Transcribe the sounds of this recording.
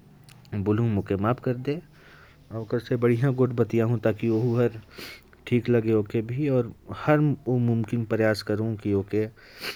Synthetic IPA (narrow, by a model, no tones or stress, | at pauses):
bʊlũmõkemaːpkɐɾd̪eː | ɔːkɐɾsebɐɽijãɡoːʈbɐt̪ijãɦũt̪aːkioɦuɦɐɾ | ʈʰiːklɐɡeoːkebʱiɔːɾhɐɾoːmʊmkɪnpɾɐjaːskɐɾõkioːke